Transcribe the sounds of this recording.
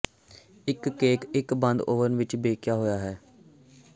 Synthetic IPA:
ɪkːeːkɪkbə̃nd̪oːʋənʋɪt͡ʃbeːkjaːɦoːjaːɦɛː

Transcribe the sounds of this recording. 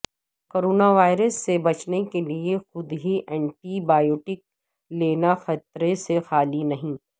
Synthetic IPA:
koːɾoːnaʋaːɪɾəsːebɐt͡ʃnekeliexʊd̪ɦiʔɛ̃ːɳʈibaːjoːʈɪk̚ | leːnaxɐt̪ɾesexaːlinɐɦĩː

